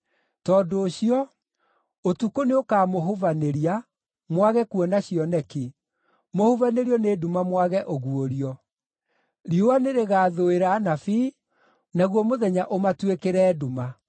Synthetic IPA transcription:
tɔːdoːɕiɔ | otukoneokaːmoɦovaneɾia | mwaɣɛkuɔnaɕiɔnɛki | mohuvaneɾiɔnedumamwaɣɛʔoɣuoɾiɔ | ɾiowaneɾeɣaːðoeɾaːnafi | naɣwɔmoðɛɲaʔomatwekeɾɛːduma

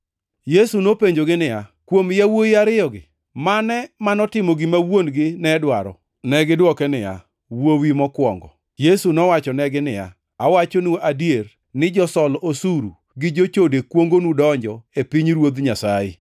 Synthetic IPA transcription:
jesunopeɲd͡ʒoɡɪnɪjakwomjawoiaɾɪjɔɡɪ | manɛmanɔtɪmɔɡɪmawonɡɪnɛdwaɾɔ̰ | nɛɡɪdwɔkɛnɪja̰ | wowimɔkwɔŋɡɔ̰ | jesunɔwat͡ʃɔnɛɡɪnɪja̰ | awat͡ʃonoʔadier | nɪd͡ʒɔsɔlosuɾu | ɡɪd͡ʒot͡ʃodekwoŋɡonudɔɲd͡ʒɔepiɲɾwod̪ɲasajɪ̰

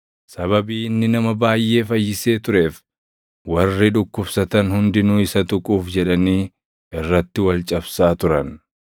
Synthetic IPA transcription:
sɐβɐbiːnːɪnɐmɐbaːjʔe̞ːfɐjːɪse̞ːt̪ʊɾe̞ːf | wɐrːɪᶑʊkːʊbsɐt̪ɐnhʊnd̪ɪnuːɪsɐt̪ʊkʼuːfd͡ʒɛᶑɐniː | ɪrːɐt̪ːɪwɐlt͡ʃʼɐbsaːt̪ʊɾɐn

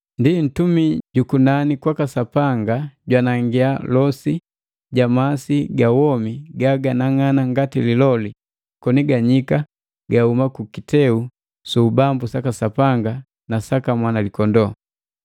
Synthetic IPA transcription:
ndin̩tumiɟukunanikwakasapaŋɡaɟwanaŋɡialɔsi | ɟamasiɡawɔmiɡaɡanaŋanaŋɡatililɔli | kɔniɡaɲika | ɡahumakukitɛu | subambusakasapaŋɡa | nasakamwanalikɔndɔ

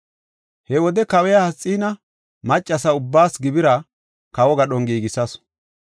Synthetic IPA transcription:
hɛwɔd̪ɛkɐwɛjɐhɐt͡sʼːiːnɐ | mɐt͡ʃʼːɐsɐʊbːaːsɡɪbɪɾɐ | kɐwɔɡɐɗɔŋɡiːɡɪsɐs

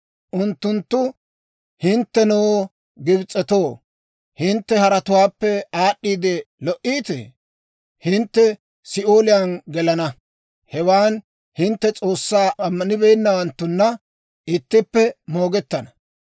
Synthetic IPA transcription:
ʔʊnt̪ːʊnt̪ːʊ | hɪnt̪ːɛnow | ɡɪbt͡sʼːɛt̪o̞ː | hɪnt̪ːɛhɐɾɐt̪ʊwaːpːɛaːɗːiːd̪ɛlɔʔiːt̪ɛ̰ | hɪnt̪ːɛ | sɪʔoːlɪjanɡɛlɐnɐ | hɛwaːn | hɪnt̪ːɛt͡sʼo̞ːsːaːʔɐmːɐnɪbɛjnːɐwɐnt̪ːʊnːɐ | ʔɪt̪ːɪpːɛmo̞ːɡɛt̪ːɐnɐ̥

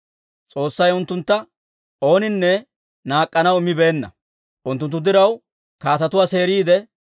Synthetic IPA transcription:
t͡sʼo̞ːsːɐjʊnt̪ːʊnt̪ːɐ | ʔo̞ːnɪnːɛ | naːkʼːɐnɐwɪmːɪbe̞ːnːɐ | ʔʊnt̪ːʊnt̪ːʊd̪ɪɾɐw | kaːt̪ɐt̪ʊwaːse̞ːɾiːd̪ɛ

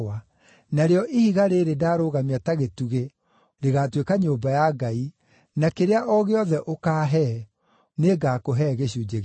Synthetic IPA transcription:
a | naɾeɔʔihiɣaɾeɾedaːɾoːɣamiataɣetuɣe | ɾeɣatwekaɲoːmbajaɡai | nakeɾeaʔɔɣeɔðɛʔokaːɦɛ | neɡakoɦɛɣeɕud͡ʑeɣ

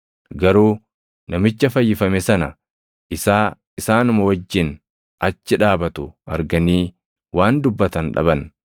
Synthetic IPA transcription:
ɡɐɾuː | nɐmɪt͡ʃːɐfɐjːɪfɐmɛsɐnɐ | ʔɪsaː | ɪsaːnʊmɐwɐd͡ʒːɪn | ɐt͡ʃːɪᶑaːbɐt̪ʊɐɾɡɐniː | waːnd̪ʊbːɐt̪ɐnᶑɐ̰bɐn

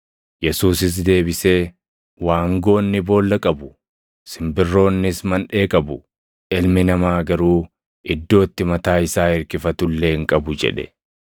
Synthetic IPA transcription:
jɛsuːsɪs̬d̪e̞ːbɪse̞ː | waːŋɡo̞ːnːɪbo̞ːlːɐkʼɐbʊ | sɪmbɪrːo̞ːnːɪsmɐnᶑe̞ːkʼɐbʊ | ʔɪlmɪnɐmaːɡɐɾuː | ʔɪd̪ːo̞ːt̪ːɪmɐt̪aːɪsaːɪɾkɪfɐt̪ʊlːeːɪŋkʼɐbʊd͡ʒɛ̰ᶑɛ̥

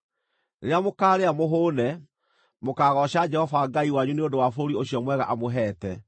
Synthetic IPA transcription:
ɾeɾamokaːɾeamoɦoːnɛ | mokaːɣɔɕad͡ʒɛhɔvaɡaiwaɲuneodowafooɾioɕiɔmwɛɣaʔamoɦɛːtɛ

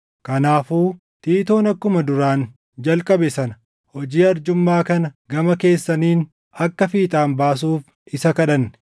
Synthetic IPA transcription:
kɐnaːfuː | t̪iːt̪o̞ːnɐkːʊmɐd̪ʊɾaːn | d͡ʒɐlkʼɐbɛsɐnɐ | hɔd͡ʒiːɐɾd͡ʒʊmːaːkɐnɐɡɐmɐke̞ːsːɐniːn | ɐkːɐfiːt̪ʼaːnbaːs̬uːf | ɪsɐkɐᶑɐnː

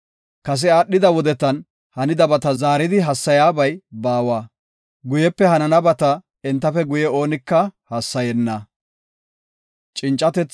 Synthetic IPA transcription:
kɐs̬ɛaːɗːɪd̪ɐwɔd̪ɛt̪ːɐn | hɐnɪd̪ɐbɐt̪ɐzaːɾɪd̪ɪɦɐsːɐjaːbɐjbaːwaː | ɡʊjɛpːɛhɐnɐnɐbɐt̪ɐ | ɪnt̪ːɐfɛɡʊjɛo̞ːnɪkːɐhɐsːɐjɛnːɐ | t͡ʃʼɪnt͡ʃʼːɐt̪ɛt͡s

